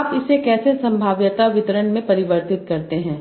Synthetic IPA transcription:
pɪsekɛːsesɐ̃mbʱaːʋjət̪aʋɪt̪əɾəɳmẽpɐɾɪʋəɾt̪ɪt̪kɐɾt̪eɦɛ̃ː

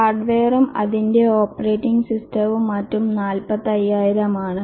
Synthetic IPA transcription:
aːrɖʋeːrumɐ̰ðinde̞oːpːɐreːtːiŋɡsistɐʋumɐtːumnaːlpɐðːɐjːaːjiɾɐmaːɳɨ

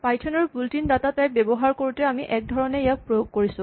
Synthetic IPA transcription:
pajtʰɔnɔɹbultindatatajbɛbɔɦaɹkoɹutɛamiʔɛk̚dʱɔɹɔnɛjak̚pɹojoɡ̚koɹisʊ̃

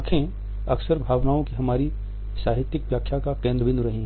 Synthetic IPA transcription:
kʰẽ | ɐksəɾbʱaːʋnaːõkiɦɐmaːɾi | saːɦɪt̪jɪkʋjaːkʰːjakakẽːnd̪ɾəʋɪ̃nd̪ɾɐɦĩɦ

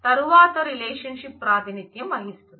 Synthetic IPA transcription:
t̪ɐɾuʋaːt̪ɐɾileːʃɐnʃipːɾaːt̪init̪jɐmɐɦistɐɾu

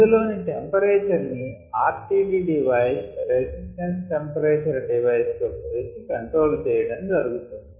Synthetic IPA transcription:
id̪ulo̞ːniʈempɐɾeːt͡ʃɐɾni | aːɾʈiːɖiːɖiʋɐjsɾesisʈɐnsʈempɐɾeːt͡ʃɐɾɖiʋɐjst̪opeːsikɐɳʈɾo̞ːlt͡ʃɛjɐɽɐnd͡ʒɐɾuɡut̪und̪ii

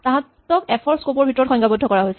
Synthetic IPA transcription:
taɦãtː | ɔkɛpʰɔɹskopɔɹbʱitɔɹɔtxɔ̃ŋɡabɔdʱːɔkɔɹaɦojsɛ

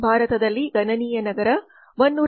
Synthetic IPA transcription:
bʱaːɾɐt̪ɐd̪ɐlːiɡɐnɐniːjɐnɐɡɐɾɐ | ʋonːuː

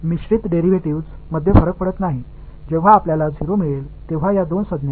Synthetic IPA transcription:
miɕɾit̪ɖeɾiʋeʈiʋd͡zməd̪ʱjefəɾək̚pəɽət̪naɦi | d͡ʑeʋ̤aːpljalad͡zʱiɾomiɭelt̪eʋ̤ajad̪onsəd̪nja

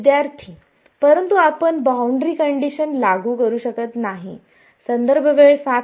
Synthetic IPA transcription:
d̪jaɾt̪ʰi | pəɾənt̪uapənbawɳɖɾiːkəɳɖiɕənlaɡuːkəɾuːɕəkət̪naɦḭ | sənd̪əɾbʱəʋeɭsa

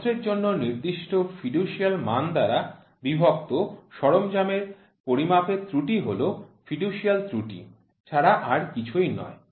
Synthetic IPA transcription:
d͡ʑeɾd͡ʑonːoniɾd̪iʃʈofiɖuʃialmand̪aɾa | bibʱok̚t̪oʃɔɾomd͡ʑameɾ | poɾimapet̪ɾuʈiɦolofiɖuʃialt̪ɾuʈḭ | t͡ɕʰaɾaʔaɾkit͡ɕʰujnɔ̰e

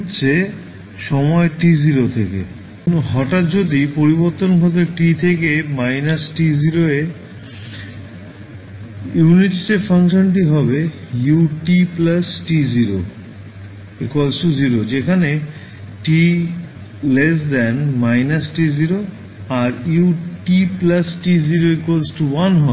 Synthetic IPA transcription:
tːɕʰe | ʃɔmɔeʈiziɾot̪ʰekḛ | ɦɔʈat̪d͡ʑod̪ipoɾiboɾt̪onkʰɔt̪eɾʈit̪ʰekemajnasʈiziɾoe | juniʈsʈeʈfʰaŋʃonʈ̬iɦɔbejuʈiplasʈiziɾo̰ | ekwalsʈuziɾod͡ʑekʰane | ʈi | lesd̪ɛnmajnasʈiziɾo | aɾjuʈiplasʈiziɾoekwalsʈuwanɦɔ

